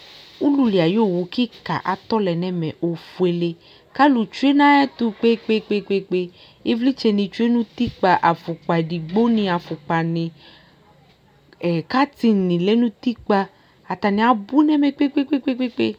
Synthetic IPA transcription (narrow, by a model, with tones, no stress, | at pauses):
u˦lu˧li˨a˨jo˦˨wu˨ki˦ka̰˨ʔa˨t̪ɔ˦lɛ˨nɛ˦mɛ̰˨ʔo˨fu˨e˨le˧ | ka˦lu˨t͡ʃu˦e˦nã˦ɛ˦t̪u˧k͡pe˦k͡pe˦k͡pe˦˧k͡pe˧k͡pe˧ | i˦vli˦t͡ʃe˧nĩ˧t͡ʃu˦e˦nũ˦t̪i˦k͡pa˧ʔa˨fu˨k͡pa˨di˨ɡ͡bo˦nĩ˧a˨fu˨k͡pa˨nĩ˨ | ka˦t̪i˧nĩ˨lɛ˨˦nũ˦t̪i˦k͡pa˧ | a˨t̪a˨nĩ˨˦a˨bu˦nɛ˦mɛ̃˨k͡pe˦k͡pe˦k͡pe˦k͡pe˦k͡pe˦k͡pe˦